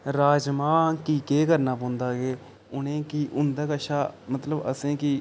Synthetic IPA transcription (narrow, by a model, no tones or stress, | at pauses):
ɾaːd͡ʒmaːnkiːkeːkəɾnaːpõːnd̪aːɡeː | ʊnẽːkiːʔʊnd̪aːkəʃaːmət̪ləbə̰sẽːki